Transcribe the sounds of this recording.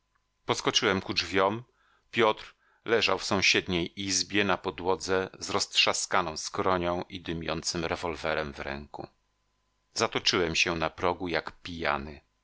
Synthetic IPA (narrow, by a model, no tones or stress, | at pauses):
pɔskɔt͡ʂɘwɛmkud͡ʐvʲjɔm | pʲjɔt̪ɾ | lɛʐawfsɔ̃w̃ɕɛd̪ɲejʔizbʲjɛnapɔd̪wɔd̪zɛzɾɔstʂaskanɔ̃w̃skɾɔɲɔ̃w̃ʔid̪ɘmʲjɔnt̪sɘmɾɛvɔlvɛɾɛmvɾɛ̰ŋkṵ | zat̪ɔt͡ʂɘwɛmɕɛnapɾɔɡujakpʲija̰nɘ